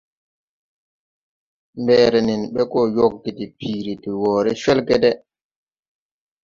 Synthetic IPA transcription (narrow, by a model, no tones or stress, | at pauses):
mbɛːɾɛninɓɛkɔjokːitipiːɾitiwɔːɾɛʃɛlkɛdɛ